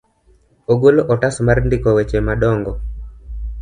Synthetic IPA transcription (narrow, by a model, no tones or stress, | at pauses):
oɡoloʔɔtasmarndɪkɔwet͡ʃemaɗɔŋɡɔ